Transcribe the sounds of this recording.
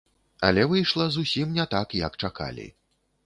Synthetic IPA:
ɐ̰lʲɛvɨjʂlˠɐzusʲimnʲɛt̪akjɐ̰kt͡ʂaka̰lʲḭ

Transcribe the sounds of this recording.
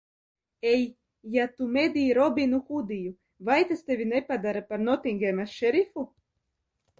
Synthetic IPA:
ɛjː | at̪umed̪ʲijɾɔbʲinuxud̪iju | vajt̪ast̪evʲinɛpad̪aɾapaɾnɔt̪iŋɡʲemaʃɛɾifu

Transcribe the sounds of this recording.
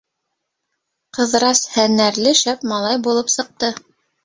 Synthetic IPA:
qɤ̆ðɾɑshænæɾlɘʃæpmɑlˠɑjbulˠɤpsɤ̆q̚t̪ɤ

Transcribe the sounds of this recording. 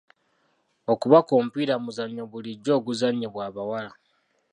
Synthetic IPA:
o̞kuβakompiɾamuzaɲːoβuliɟːo̞ːɡuzaɲːeβwaːβawala

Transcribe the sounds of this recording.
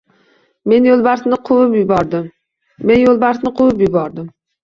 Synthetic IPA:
me̞njolˠbaɾsnɪqʰʊwɪpjʊbɒɾd̪ɪmː | e̞njolˠbaɾsnɪqʰʊwʊpjʊbɒɾd̪ɪm

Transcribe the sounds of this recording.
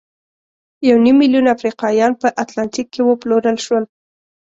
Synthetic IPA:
jawnimːiljunafɾiqɑjɑnpəʔat̪lant̪ikːewəploɾəlʃwəl

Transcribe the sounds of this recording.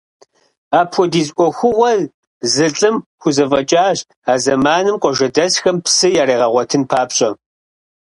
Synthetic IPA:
aːpʰʷɔdiːzʔʷɔxʷʊwɐz | zɨɬʼɨmxʷʊzɐvɐt͡ʃʼaːʑ | aːzɐmaːnɨmqʷɔʒɐdɐsxɐmpsɨjaːɾeːʁɐʁʷɔtʰɨnpʰaːpɕʼɐ

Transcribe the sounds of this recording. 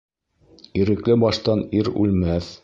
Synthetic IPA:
iɾɘ̆klɘbɑʃt̪ɑniɾʉ̰lmæθ

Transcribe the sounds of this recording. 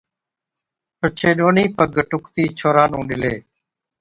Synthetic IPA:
pət͡ʃʰeːɗoːniːpəɡʈʊkt̪iːt͡ʃʰoːɾaːnũːɳɖɪleː

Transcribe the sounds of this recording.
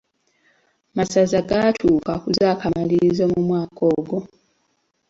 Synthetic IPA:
masazaɡatʰuːkakuzaːkamaliizomumwaːkʰoːɡo̞

